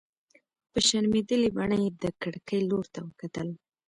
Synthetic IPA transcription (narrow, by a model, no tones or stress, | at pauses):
pəʃaɾmed̪əlibaɳəjd̪əkaɽkəjloɾt̪awəkat̪əl